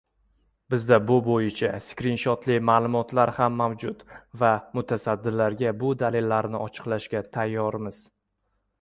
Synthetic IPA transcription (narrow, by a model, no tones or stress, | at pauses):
bɪzd̪abʊbojɪt͡ʃʰaskʲɾɪnʃɒt̪lɪmaːlˠʊmɒt̪ʰlaɾhamːawd͡ʒʊt̪vamʊt̪ʰasad̪ːɪlːaɾɡʲabʊd̪alelːaɾnɪɒt͡ʃʰɨ̥qlaʃɡʲat̪ʰajːɒɾmɪz̥